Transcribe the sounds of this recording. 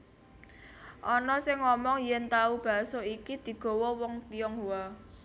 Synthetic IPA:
ʔɔnɔsɪŋːɔmɔŋjɛnt̪aub̥a̤soikid̪̥i̤ɡ̥o̤wɔwɔŋt̪iɔŋɦua

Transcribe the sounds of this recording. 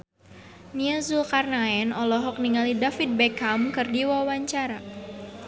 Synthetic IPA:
niazulkarnaɛnɔlɔɦɔk̚niŋalidafit̪̚bɛkamkɨrdiwawaɲt͡ʃaɾa

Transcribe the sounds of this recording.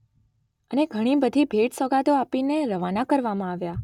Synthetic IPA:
əneɡʱəɽ̃ibəd̪ʱibʱeʈsəɡad̪oapineɾəʋanakəɾʋamãaʋja

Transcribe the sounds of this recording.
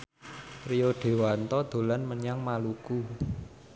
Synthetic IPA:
ɾijoɖ̥e̤want̪ɔd̪̥o̤lanməɲaŋmaluku

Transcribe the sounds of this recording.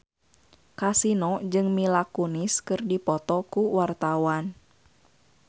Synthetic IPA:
kasinɔd͡ʒɨŋmilakuniskɨrdipɔt̪ɔkuwart̪awan

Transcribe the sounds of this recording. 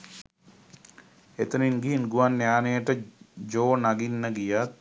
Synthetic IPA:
et̪əninɡiɦinɡuʋanːjaːnəjəʈəd͡ʒoːnaɡinːəɡijat̪̚

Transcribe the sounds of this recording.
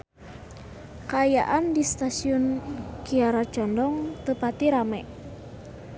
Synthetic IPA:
kəːja̰ʔandist̪asiɔnkiaɾḁd͡ʒ̥ɔ̤ndɔŋt̪əpat̪iɾamɛʔ

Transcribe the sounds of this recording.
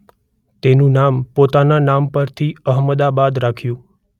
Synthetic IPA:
t̪enũnampot̪ananampəɾt̪ʰiəɦməd̪abad̪ɾakʰjũ

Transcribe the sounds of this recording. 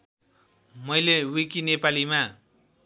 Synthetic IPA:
mʌjlewikinepalima

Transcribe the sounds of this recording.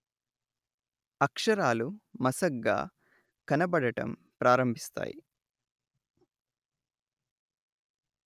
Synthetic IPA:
ɐkʂɐɾaːlumɐsɐɡːa̰ː | kɐnɐbɐɽɐʈɐ̰m | pɾaːɾɐmbʱist̪a̰ːjḭ

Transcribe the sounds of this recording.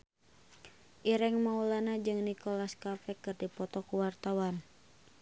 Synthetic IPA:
ʔiɾɛŋmaulanad͡ʒɨŋnikɔlaskafɛkɨrdipɔt̪ɔkuwart̪awan

